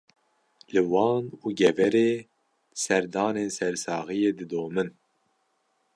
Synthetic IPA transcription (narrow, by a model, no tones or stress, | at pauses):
lɨwɑːnuːɡɛvɛɾeː | sɛɾd̪ɑːneːnsɛɾsɑːɣɨjeːd̪ɨd̪oːmɨn